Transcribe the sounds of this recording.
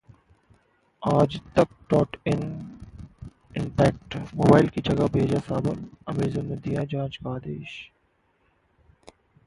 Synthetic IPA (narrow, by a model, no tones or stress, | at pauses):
aːd͡ʒt̪ɐk̚ʈɔːʈɪn | ɪɳʈɛːk̚ʈmoːbaːɪlkid͡ʒɐɡabʱeːd͡ʒasaːbənɐmeːzonmed̪ijad͡ʒãːt͡ʃkaːd̪eːʃ